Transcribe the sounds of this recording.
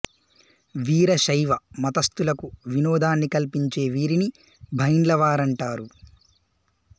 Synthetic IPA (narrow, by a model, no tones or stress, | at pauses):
ʋiːɾɐʃɐjʋɐmɐt̪ɐst̪ulɐkuʋinɔːd̪ʱaːnːikɐlpiɲt͡ʃe̞ːʋiːɾini | bʱɐjnlɐʋaːɾɐɳʈaːɾu